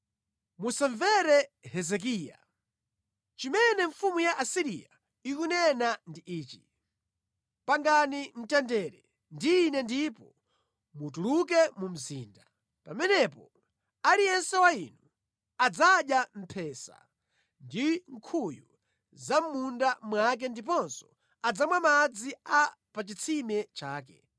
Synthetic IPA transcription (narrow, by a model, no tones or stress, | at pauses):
musaɱvɛɾɛhɛzɛk̬iːja̰ | t͡ʃimɛnɛɱfumujaʔasiɾḭa | ikunɛnandiʔiːt͡ʃi | paŋɡanin̩tɛndɛɾɛ | ndiːnɛndipɔ | mut̬uluk̬ɛmum̩ziːnda | pamɛnɛpɔ | alijɛnsɛwainu | ad͡zaɗjam̩pʰɛːsa̰ | ndiŋ̩kʰuju | zam̩mundamwak̬ɛndip̬ɔnsɔ | ad͡zamwamad͡zia | pat͡ʃit͡sʰimɛt͡ʃaːk̬ɛ̰